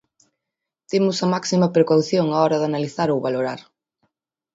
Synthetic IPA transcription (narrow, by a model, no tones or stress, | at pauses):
t̪emʊsɐmaksimɐpɾekawθjoŋaɔɾɐðanaliθaɾowβaloɾaɾ